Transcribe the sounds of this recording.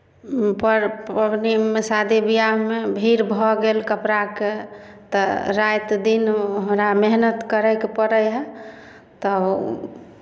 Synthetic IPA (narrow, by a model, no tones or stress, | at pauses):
pəɾəbnimesad̪ʱibijaɦmebʱiɾbʱɔɡelkəpɾaket̪ɔɾajt̪d̪inoɦmɾameɦnət̪kəɾəjkepəɾəjɦɛ | t̪ɔ